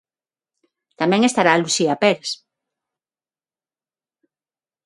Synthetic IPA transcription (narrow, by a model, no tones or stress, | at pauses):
t̪amɛ̃ŋest̪aɾaːlusiapɛɾes